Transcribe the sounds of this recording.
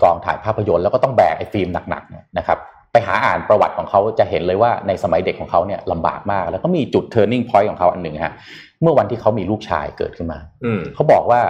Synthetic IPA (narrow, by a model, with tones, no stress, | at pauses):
kɔː˧ŋt̪ʰa̰ː˩˦npʰaː˥˩pʰːa˧jo˧nlɛ˦˥kɔː˥˩t̪ɔ˥˩ŋbɛ̰ː˨˩k̚ʔa˧jfiː˧mna˨˩k̚na̰˨˩k̚ni˦˥˩na˦˥kʰa˦˥p̚ːa˧jɦa̰ː˩˦ʔaː˨˩npɾa˧wa˨˩t̪̚kʰɔː˩˦ŋkʰa˦˥wt͡ɕa˨˩ʔɦe˩˦nlɤː˧jwaː˥˩na˧jsa˧ma˨˩˦jde˨˩t̚kʰɔː˩˦ŋkʰa˦˥wni˥˩ɐla˧mba̰ː˨˩k̚maː˥˩k̚lɛː˦˥wkɔː˥˩miː˧t͡ɕu˨˩t̪ʰːɤː˧ni˥˩ŋpʰɔ˦˥jkʰɔː˩˦kʰa˦˥wʔa̰˧nːɯ˨˩ŋt̪ʰa̰˦˥ | mɯ˥˩ɐwa˧nt̪ʰiː˥˩kʰa˦˥wmiː˧luː˥˩k̚t͡ɕʰa̰ː˧jkɤ̰ː˨˩t̚kʰɯ˥˩nma̰ː˧kʰa˦˥wbɔː˨˩k̚waː˥˩